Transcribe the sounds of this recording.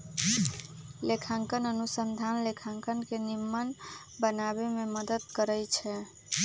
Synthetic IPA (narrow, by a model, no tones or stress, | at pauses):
lekʰaŋkənənusənd̪ʱanlekʰãŋkənkenimːən | bənaβememəd̪ət̪̚kəɾəjt͡ʃʰɛ